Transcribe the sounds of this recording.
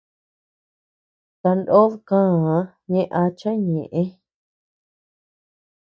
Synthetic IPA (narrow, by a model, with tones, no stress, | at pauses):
t̪a˧nd̪o˦ðkã˦˨˧ | ɲẽ˦ʔa˧t͡ʃã˦ɲẽ˨ʔẽ˦